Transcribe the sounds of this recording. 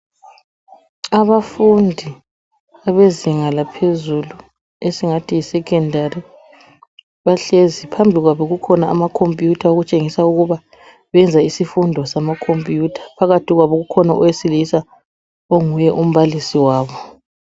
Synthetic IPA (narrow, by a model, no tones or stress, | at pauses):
aβafundʱi | aβeziŋalapʰezulu | esiŋatʰijisɛkʰʼɛndʱari | βaɬezipʰambʱiɣwaβɔɣukʰɔnaʔːmakʰompʼjutʰaoɣut͡ʃʼeŋisauɣuβa | βɛnd͡zʱaisifundʱɔsamakʰompʼjutʰḁpʰaɣatʰiɣwaβɔɣukʰɔnaʔɔwesilisa | oŋujɛʔum̩βalisiwaːβɔ